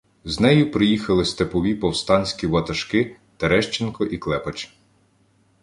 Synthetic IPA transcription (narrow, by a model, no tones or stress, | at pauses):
znɛjʊpɾɪjixɐlˠɪst̪epɔʋʲipɔwst̪ɑnʲsʲkʲiʋɐt̪ɐʃkɪ | t̪eɾɛʃt͡ʃenkɔʔiklˠɛpɐt͡ʃ